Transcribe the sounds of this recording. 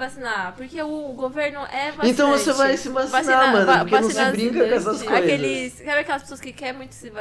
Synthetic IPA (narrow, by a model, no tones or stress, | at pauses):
basinapoɾkeʊɡoveɾnʊʔɛvaẽnt̪ɐ̃w̃vosevajsĩbasnamɐ̃d̪ɐpoɾkennɐ̃w̃sɪbɾĩkɐkkɛsɐskojezɐisskɛɾẽɐkɛlɐspe̥soɐskɪkɛɾmũj̃t̪ʊ̥siva